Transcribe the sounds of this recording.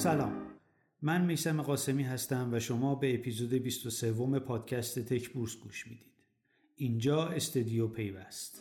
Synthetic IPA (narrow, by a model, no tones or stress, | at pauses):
sælɒːmː | ænmejsæme̞ɣɒːse̞miːɦæst̪æmvæʃomɒːbe̞ːpʰiːzod̪e̞bist̪o̞se̞vːo̞me̞pʰɒːd̪̥cʰæst̪e̞t̪ʰe̞cʰbuːɾsɡuːʃmiːd̪iːd̪̥ | ʔind͡ʒɒːe̞st̪od̪ijopʰe̞jvæst̪